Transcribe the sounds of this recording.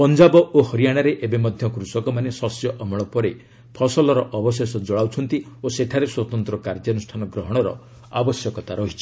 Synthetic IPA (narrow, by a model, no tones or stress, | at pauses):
pɔnd͡ʒabɔʔohɔɾijaɽ̃aɾeʔebemɔd̪ʱjɔkɾusɔkɔmanesɔsjɔʔmɔɭɔpɔɾe | pʰɔsɔlɔɾɔʔɔbɔsesɔd͡ʒɔɭawt͡ʃʰɔnt̪i | oseʈʰaɾeswɔt̪ɔnt̪ɾɔkaɾd͡ʒanusʈʰanɔɡɾɔɦɔɽ̃ɔɾɔ̰ | a̰bɔsjɔkɔt̪aɾɔɦit͡ʃʰi̥